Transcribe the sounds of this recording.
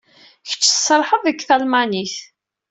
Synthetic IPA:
çə̥t͡ʃːəsˤəɾˤħəðˤəkθælmæniθ

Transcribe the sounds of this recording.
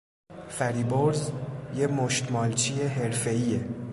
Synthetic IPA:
fæɾiːboɾzjemoʃt̪mɒːlt͡ʃʰieɦe̞ɾfe̞iːe

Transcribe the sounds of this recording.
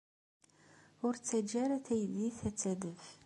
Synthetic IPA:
ʊɾt͡sːæd͡ʒæɾæθæjðiθæt͡sːæðəv

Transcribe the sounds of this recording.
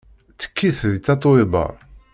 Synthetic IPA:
t͡sːə̥kːiθðit͡s̪ːɑt̪ˤwɪbɑ̰

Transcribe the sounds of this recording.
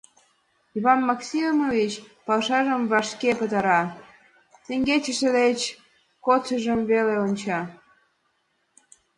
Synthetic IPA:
iβɑnmɑksʲimmovit͡ɕpɑlʃɑʒəmβɑʃkepət̪ɑɾɑ | t̪eŋɡet͡ɕəʃə̆d̪et͡ɕ | kot͡səʒəmβeleonʲt͡ɕɑ

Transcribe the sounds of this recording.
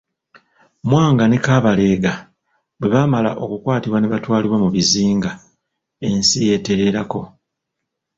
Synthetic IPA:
mwaːŋɡane̞kaːβale̞ːɡa | bwe̞βamala̰ʔo̞kukwaːtiβwaneβatwaːliβwamuβiziːŋɡa | e̞nsije̞te̞ɾe̞ɾako̞

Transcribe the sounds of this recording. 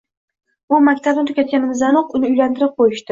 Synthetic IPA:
ʊmakʲt̪ʰabnɪt̪ʰʊ̥kʲʰat̪̚kʲanɪmɪzanoqʊnɪʊjlant̪ɪɾɪp̚qʰojɪʃt̪ɪ

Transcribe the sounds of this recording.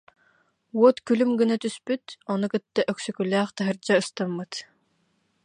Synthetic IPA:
uɔt̪kylymɡɯnat̪yspyt̪ɔnukɯt̪ːaʔœksykylæːχt̪aɦɯɾd͡ʑaɯst̪amːɯt̪

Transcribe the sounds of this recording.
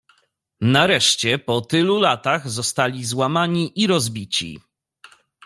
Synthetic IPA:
naɾɛʂt͡ɕɛpɔt̪ɘlulat̪aɣzɔst̪alʲizwamaɲiʔiɾɔzbʲit͡ɕḭ

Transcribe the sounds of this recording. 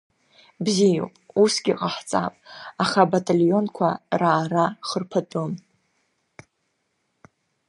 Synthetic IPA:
bzijo̰wpʼusɡʲiqʼaħt͡sʼa̰pʼaχabatʼalijo̞nkʷʰaraːɾaχərpʰatʼom

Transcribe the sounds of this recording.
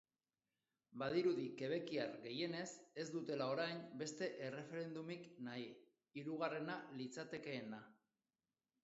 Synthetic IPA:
bað̞iɾuðike̞β̞e̞kiaɾɣe̞je̞ne̞se̞zd̪ut̪e̞lao̞ɾajnbe̞st̪e̞ʔere̞fe̞ɾe̞nd̪umiknai | iɾuɣare̞nalit͡sat̪e̞ke̞ːna

